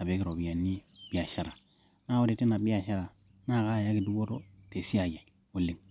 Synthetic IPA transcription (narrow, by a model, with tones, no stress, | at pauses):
a˨be˦ki˦˨ɾo˨bi˨ja˨nːi˦b̥i˦a˨ʃa˦ɾa˨ | na˦˨wo˦ɾi˨ti˦na˨bi˦a˨ʃa˦ɾa˨ | na˦˨ka˦˨ja˦ki˨du˦ɡo˦to˦te˨si˦a˨ɡe˨ | wu˦lːi˦˨ŋ